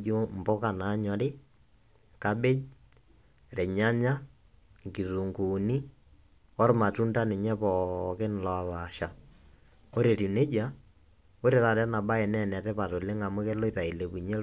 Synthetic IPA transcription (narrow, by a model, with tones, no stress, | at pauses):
d͡ʒm̩˨bɔ˦ka˨na˨˦ɲɔ˨ɾɪ˦ | ka˦be˦d͡ʒ | ɾɛ˨ɲa˦ɲa˦ | ŋki˨ɾu˨ŋɡuː˨ni˦ | ɔ˦ɾma˨tu˦nta˦ne˨ɲɛ˦pɔ˨ke˦n˨lɔ˨a˨βa˨ʃa˨ | o˦ɾe˨ɾu˨ne˦d͡ʒa˨˦ | o˦ɾe˨ɾa˨ɾɛ˦na˨ɓa˦ɛ˨nɛ˨nɛ˨tɛ˦pa˨to˨le˦ŋa˨mʊ˦ke˦lo˦i˦ta˨i˨le˨βu˨ɲe˦